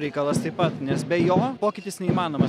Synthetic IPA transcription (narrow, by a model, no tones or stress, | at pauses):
ɾʲɛɪkɐlˠɐst̪ɐɪpɐt̪nʲɛsbʲɛjoːpoːkʲɪt̪ʲɪsnʲɛimɑːnoːmɐ